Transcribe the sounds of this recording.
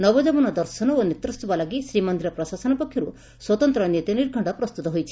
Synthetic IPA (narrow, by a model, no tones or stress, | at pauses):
nɔbɔd͡ʒɔbɔnɔd̪ɔɾsɔnɔonit̪ɾust̪ɔbalaɡisɾimɔnd̪iɾɔpɾɔsasɔnɔpɔkʰjɔɾu | swɔt̪ɔnt̪ɾɔnjet̪iniɾɡʱɔɳɖɔpɾɔst̪ut̪ɔɦojt͡ʃʰi̥